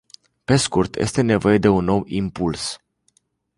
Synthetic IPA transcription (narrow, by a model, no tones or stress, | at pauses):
pe̞skurt̪jʔḛst̪e̞ne̞vo̞je̞d̪e̞unːo̞wimpuls